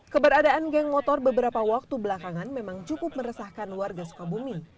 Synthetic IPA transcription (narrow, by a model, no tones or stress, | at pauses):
kəbəɾadaʔanɡɛŋmɔt̪ɔrbəbəɾapawak̚t̪ubəlakaŋanmemaŋt͡ʃukʊp̚məɾəsahkanluwarɡasu̥kabumi